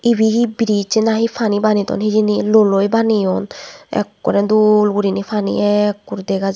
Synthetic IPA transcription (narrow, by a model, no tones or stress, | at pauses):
ibiɦibiɾit͡ʃenaɦipʰanibanit̪ɔ̰nɦid͡ʒinilolojbanijɔnɛ̰kːɔ̰ɾɛd̪ulɡuɾinipʰanḭɛkːuɾd̪ɛɡaz